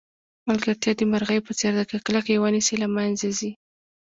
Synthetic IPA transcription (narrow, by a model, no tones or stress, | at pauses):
malɡaɾt̪jɑd̪əmaɾɣəjpət͡seɾd̪akaklakjewənisilamanzazi